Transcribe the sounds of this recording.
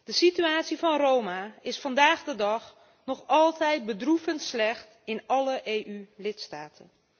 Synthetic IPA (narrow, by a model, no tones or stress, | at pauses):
d̥əsityaːtsivɑnrowmaɪsfɑndaːɣdədɑχ | nɔχɑlˠtɛjt̚bədrufəntslɛxt | ɪnɑləʔejʔylɪtstaːtʰən